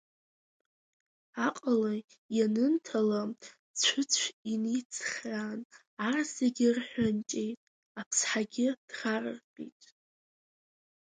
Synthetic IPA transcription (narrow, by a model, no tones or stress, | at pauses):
aqʼala | janɨntʰala | t͡ɕʷʰʊt͡sʷʰinit͡sʰχran | araseɡʲɪrħʷᶣant͡ʃʼe̞jtʼ | apʰsħaɡʲɪd̥rarɨ̰rqʼḭtʼ